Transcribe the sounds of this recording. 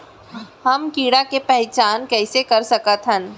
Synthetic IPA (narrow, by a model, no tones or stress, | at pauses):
hɐmkiːɽakepɛɦt͡ʃaːnkɛːsekɐɾsɐkət̪ɦə̃n